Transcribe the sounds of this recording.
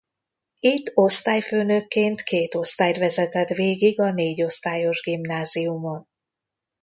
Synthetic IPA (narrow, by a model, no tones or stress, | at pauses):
it̪ːo̞st̪aːjføːnøkːeːnt̪kʰeːt̪o̞st̪aːjt̪vɛzɛt̪ɛt̪ʋeːɡiɡɒneːɟo̞st̪aːjo̞ʒɡimnaːziumon